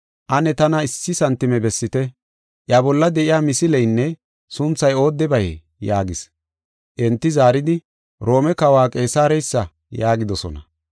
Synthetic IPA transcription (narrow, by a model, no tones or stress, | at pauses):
ʔɐnɛt̪ɐnɐɪsːɪsɐnt̪ːɪmɛbɛsːɪt̪ɛ | ʔjabɔlːɐd̪ɛʔɪjaːmɪsɪlɛjnːɛ | sʊnt͡sːɐjo̞ːd̪ːɛbɐjɛ̰ | jaːɡɪs | ʔɛnt̪ːɪzaːɾɪd̪ɪ | ɾo̞ːmɛkɐwaːkʼe̞ːsaːɾɛjsːɐ | jaːɡɪd̪ɔsɔ̰nɐ̰